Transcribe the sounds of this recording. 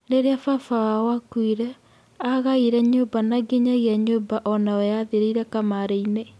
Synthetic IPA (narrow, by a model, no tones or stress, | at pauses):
ɾeɾeafafawawakwiɾɛ | aɣaiɾɛɲobanaɡeɲaɣeaɲobaʔɔnawɛjaðeɾiiɾɛkamaɾeine